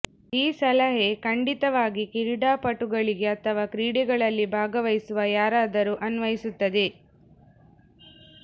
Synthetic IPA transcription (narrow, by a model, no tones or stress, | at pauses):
iːsɐlɐɦe̞kɐɳɖit̪ɐʋaːɡikiɾɽaːpɐʈuɡɐɭiɡe̞ɐt̪ʰɐʋaːkɾiːɽiɡɐɭɐlːibʱaːɡɐʋɐjsuʋɐjaːɾaːd̪ɐɾuːʔɐnʋɐjisut̪ːɐd̪e̞